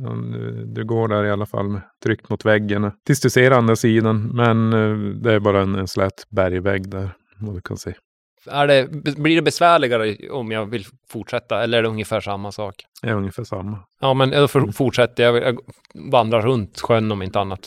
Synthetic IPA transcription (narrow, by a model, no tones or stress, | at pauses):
ɑ̰d̪̰d̪ɵɡoːɖæɾɪalːafa̰lːmɛt̪ʰɾʏkt̪mʊt̪vɛɡːəɳat̪ʰɪlsd̪ɵseːɾand̪ɾasiːd̪anmɛnd̪ɛæɾbɑːɾaɛnɛnslɛːt̪bæɾjvɛɡːd̪æɾ | vad̪ʉkʰa̰nseː | æɖɛbbliɖɛbɛsvæːɭɪɡaɾəɔmjɑvɪl | fʊʈʂɛt̪ːaɛlːəɾæɖɛɵŋjəfæːʂamːasɑːk̪æɾɵŋjəfæːʂamːajɑːmɛnd̪ɔffʊʈʂɛt̪ːəjajɑ | vand̪ɾaɾɵnt̪ɧœnːɔmɪnt̪əanːat̪